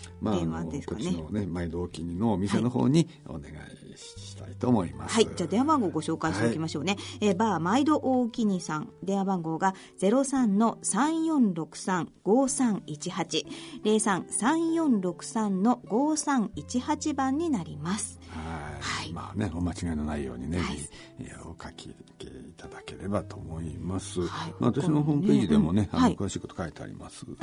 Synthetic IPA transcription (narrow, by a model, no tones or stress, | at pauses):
maeãd̪eskoaneonemaid̪ooːkʲiɲinoːmʲiseno̞ɦo̰ːɲ̟i | o̰ne̞̰ɡa̰i | ɕi̥i̥t̪ait̪oːmo̞ima̰said͡ʑaːd̪e̞abãŋɡo̞ːɡo̞ɕo̞ːkaiɕt̪ekʲimaɕo̞ːne̞eːbaːmaid̪o̞ʔoːkʲiɲ̟isãŋd̪e̞abãŋɡo̞ːɡa | d͡ze̞ɾo̞sãnno̞sãɰ̃jõ̞nɾo̞kɯ̟̥sãŋɡ̥o̞ːsãŋit͡ɕihat͡ɕiɾe̞ːsãñsãɰ̃jõ̞nɾo̞kɯ̟̥sãnno̞ɡo̞ːsãŋit͡ɕihat͡ɕibãɲ̟ːinaɾʲimasɨ̥hahaima̰ːne̞omat͡ɕiɡainonaijo̞̰ːɲ̟inei | eokʰakʰikḛit̪ad̪ake̞ɾe̞bat̪o̞moimasɨaima̰at̪aɕinoɦõmpe̞ːʑid̪e̞mo̞ne̞aaikɯ̟βaɕiːko̞t̪o̥kʰaet̪ea̰ɾʲḭma̰sɨ